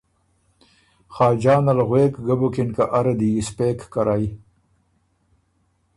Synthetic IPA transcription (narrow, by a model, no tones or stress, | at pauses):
χɑːd͡ʒaːnɐlɣweːkɡabukinkaʔaɾed̪iispeːkːaɾai